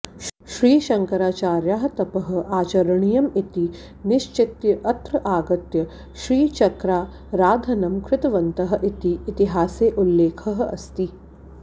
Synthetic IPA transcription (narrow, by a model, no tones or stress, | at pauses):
ʃɾiːʃɐŋkɐɾaːt͡ʃaːɾjaːɦɐ̆t̪ɐpɐɦɐ̆aːt͡ʃɐɾɐɳijɐmit̪i | nɪʃt͡ʃɪt̪jɐʔɐt̪ɾɐʔaːɡɐt̪jɐ | ʃɾiːt͡ʃɐkɾaː | ɾaːd̪ʱɐnɐmkɾɪt̪ɐʋɐnt̪ɐɦɐ̆ʔit̪iːt̪iɦaːseːʔulːeːkʰɐɦɐ̆ɐ̰st̪i